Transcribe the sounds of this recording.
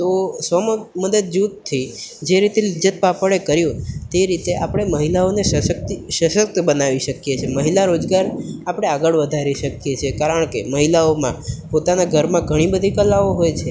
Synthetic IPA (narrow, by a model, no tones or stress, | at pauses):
t̪osʋəmməd̪əd̪̚d͡ʒut̪t̪ʰːid͡ʒeɾit̪elid͡ʒət̪̚papəɭekəɾjũt̪eɾit̪eʔapɽ̃eməɦilaoneʃəʃək̚t̪iʃəʃək̚t̪bənaʋiʃəkjet͡ʃʰeməɦilaɾod͡ʒɡaɾapɽ̃eaɡəɭʋəd̪ʱaɾiʃəkjet͡ʃʰekaɾəɳ̃keməɦilaomã̰pot̪anaɡʱəɾmãɡʱəɽ̃ibəd̪ʱikəlːaoɦojt͡ʃʰe